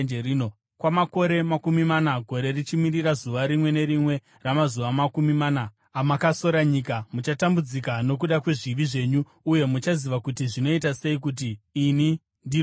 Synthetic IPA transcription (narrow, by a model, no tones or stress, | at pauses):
eriːno̞ | kwamako̞ɾe̞makumimanaɡʱo̞ɾe̞rit͡ʃimirirazuʋaɾimwe̞ne̞ɾimwe̞ | ramazuʋamakumimanaː | makaso̞ɾaɲikamut͡ʃatambud͡zikano̞k̬uɗakwe̞ʐiʋiʐe̞ːɲuː | je̞mut͡ʃaziʋakutiʐino̞itase̞ik̬ut̬iːni | ndi